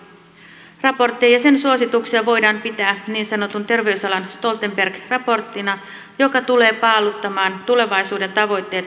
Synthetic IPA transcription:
rɑpo̞rt̪ːiɑjɑse̞nsuo̞sit̪uksiɑʋo̞jdɑːmpit̪æːniːnsɑno̞t̪unt̪e̞rʋe̞ysɑlɑnst̪o̞lt̪e̞mbe̞rɡ̥rɑpo̞rt̪ːinɑ | jo̞kɑt̪ule̞ːpɑːlut̪ːɑmɑːnt̪ule̞ʋɑjsuːde̞nt̪ɑʋo̞jt̪ːe̞ːt̪

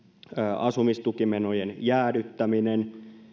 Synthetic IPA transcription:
ʔɑsumist̪ukimenojenjæːdyt̪ːæminen

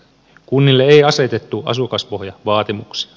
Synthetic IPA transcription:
kunːilːeejɑse̞t̪e̞t̪ːuʔɑ̰sukɑspo̞ɦjɑʋɑːt̪imuksi̥

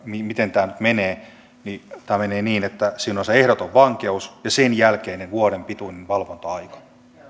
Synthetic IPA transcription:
mimit̪ent̪æːnyt̪meneː | nit̪æːmeneːniːnet̪ːæsinːonseehɾot̪oʋʋɑŋkeusjɑsenjælkeːnenʋuoɾempit̪uinenʋɑlʋont̪ɑɑikɑ̥

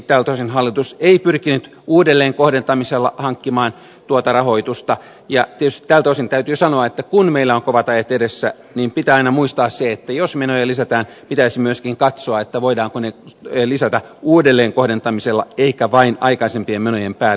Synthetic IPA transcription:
t̪æːlt̪oisinɦɑlːit̪useipyrkinyt̪ | uːdelːeːŋkohdent̪ɑmiselːɑhɑŋkːimɑːn | t̪uot̪ɑrɑho̞it̪ust̪ɑ | jɑt̪iet̪yst̪i̥t̪æːlt̪oisint̪æyt̪yːsɑnoɑet̪ːækunmeilːæoŋkoʋɑt̪ɑjɑt̪edesːæ̰ | niːmpit̪æɑinɑmuist̪ɑːsseet̪ːæjosmenojɑlisæt̪æːn | pit̪æisimyøskiŋkɑt̪soɑet̪ːæʋoidɑːŋkonelisæt̪æ | uːdelːeːŋkohdent̪ɑmiselːɑeikæʋɑinɑikɑisempiemmenojempæːl

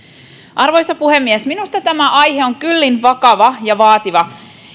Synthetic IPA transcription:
ʔɑrʋo̞jsɑpuhe̞mːiesminust̪ɑt̪æmæʔɑjɦe̞o̞ŋkylːinʋɑkɑʋɑjɑʋɑːt̪iʋɑ

